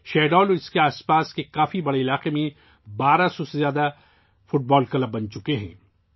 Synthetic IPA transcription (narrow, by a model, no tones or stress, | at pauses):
ʃɛːɖɔːloɪskeaːspaːskekaːfibɐɽeɪlaːqemẽ | baːɾasɔsezjaːd̪a | fʊʈ̚bɔːlkɐləb̚ːɐ̃nt͡ʃʊkeɦɛ̰̃ː